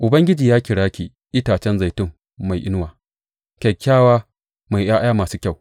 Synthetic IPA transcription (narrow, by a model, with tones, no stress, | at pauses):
ʔʊ˨bɐ˦ŋɡʲɪ˦d͡ʒiː˨jaː˦kʲɪ˨ɽaː˦kʲi˨ | ʔɪ˦taː˨t͡ʃɛ˦nza˨jtʊ˦˨ŋː | a˨jʔɪ˦nwaː˨ | kʲɐ˨kʰʲːaː˦waː˦ | ma˨jʔj̰aː˦jaː˦maː˨suː˦kʲa˦˨w